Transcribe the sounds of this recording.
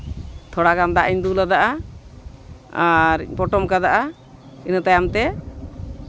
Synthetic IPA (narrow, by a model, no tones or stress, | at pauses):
t̪ʰɔɽaɡamd̪aʔiɲd̪ulad̪aʔa | aɾ̰pɔʈɔmkad̪aʔa | inət̪ajamt̪ɛ